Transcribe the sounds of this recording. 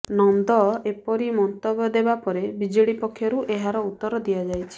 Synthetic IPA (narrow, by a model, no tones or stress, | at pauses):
nɔnd̪ɔepɔɾimɔnt̪ɔbjɔd̪ebapɔɾebid͡ʒiɽipɔkʰːjɔɾuʔeɦaɾɔut̪ːɔɾɔd̪ijad͡ʒajt͡ʃʰi̥